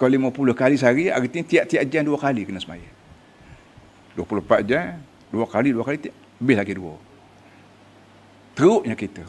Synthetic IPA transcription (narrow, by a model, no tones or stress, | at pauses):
kaliməpulʊhkalis̬aɾia̰ɾit̪iŋt̪iaʔt̪iaʔd͡ʒanduakalikənəsəma̰ja̰ | duopulʊhpad͡ʒan | duakaliduakalit̪iaʔləbɪhlaɡiduo̰ | t̪əʊʔɲakit̪ə